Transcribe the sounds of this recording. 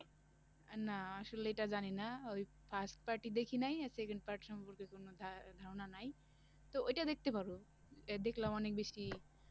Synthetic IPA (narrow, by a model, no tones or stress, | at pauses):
anaasulejʈazaninaoj | pʰasʈpaɾʈid̪ekʰinajsekeɳɖpaɾʈisɔmpuɾkekonod̪ʱd̪ʱaɾɔnanaj | t̪ɔojʈad̪ek̚ʰt̪epaɾu | ed̪eklaɔnek̚bisʈi